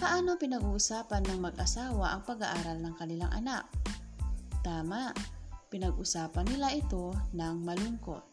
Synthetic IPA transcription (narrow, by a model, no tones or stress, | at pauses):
pɐʔaːno̞pɪnɐɡuːsaːpɐnːɐŋmɐɡʔɐsaːwaʔɐŋpɐɡaʔaːɾɐlnɐŋkɐnɪlaŋʔɐ̰nak̚ | t̪aːmaʔpɪnɐɡʔusaːpɐnːɪlaʔɪt̪o̞nɐŋmɐlʊŋko̰t̪̚